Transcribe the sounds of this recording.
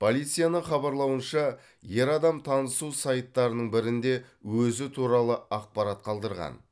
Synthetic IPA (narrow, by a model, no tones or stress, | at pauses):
pʰo̞lʲˠijt̪sɨjanəɴχɑbɑɾlˠɑwənʃɑ | je̞ɾɑd̪ɑmt̪ʰɑnəsusɑjt̪ːɑɾənəɴbɪɾɪnd̪e̞ | wɵzɪt̪ʰuɾɑlˠəɑq̚pɑɾɑt̪̚qʰɑlˠd̪əɾʁɑ̰n